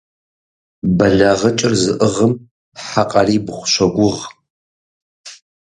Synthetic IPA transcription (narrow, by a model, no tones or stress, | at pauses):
bɐɮɐʁɐt͡ʃʼɪrzɨʔəʁəm | ħaqʼɐriːbχʷʊ̥ʃʷɐɡʷʊʁ